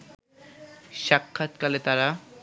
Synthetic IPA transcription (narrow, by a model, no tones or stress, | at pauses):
ʃakʰːat̪kalet̪aɾa